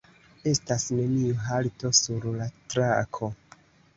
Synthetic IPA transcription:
e̞stasne̞niuɦalto̞suɾlatɾakʰo̞

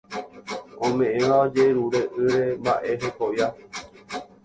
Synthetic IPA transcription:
õmẽ̞ʔẽʋaod͡ʒeɾuɾe̞ʔɨɾe̞mba̰ʔeɦekoja

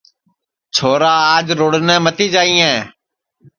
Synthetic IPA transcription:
t͡ʃʰoːɾaːaːd͡ʒɾoːɽnẽːmət̪iːd͡ʒaːĩːɛ̃ː

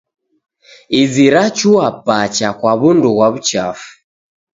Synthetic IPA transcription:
iziɾat͡ʃuwapat͡ʃakwaβunduβwaβut͡ʃafu̥

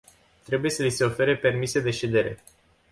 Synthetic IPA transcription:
t̪ɾe̞buje̞səlise̞o̞fe̞ɾepe̞rmise̞d̪e̞ʃed̪e̞ɾe̞̰

